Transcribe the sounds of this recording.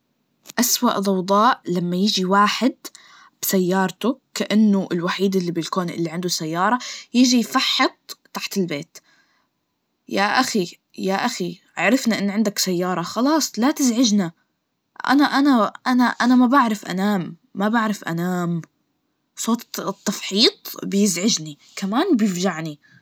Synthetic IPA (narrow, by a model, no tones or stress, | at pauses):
ʔaswa̰ʔdˤɑwd̪ˤɑːʔlamːajɪʒiwaːħɪd̪ | b̥sajːɑːɾˤt̪ʊkaʔanːʊʔɪlwaħiːd̪ɪlːibɪlkoːnʔɪ̰lːiʕɪnd̪ʊsajːɑːɾˤɑjɪʒifaħːɑt̪̚t̪ːaħt̪ɪlbeːt̪ | jaʔaxi | jaʔaxiʕaɾˤɪfnaʔɪnːʕɪnd̪aksajːɑːɾˤɑxɑlɑːsˤlat̪ɪzʕɪʒna | ʔa̰naʔanaʔanaʔanamabaʕɾˤɑfʔa̰naːmː | abaʕɾˤɑfʔa̰naːm | sˤoːt̪t̪ˤːɑfħiːt̪ˤbjɪzʕɪʒni | kamaːnbjɪfʒaʕni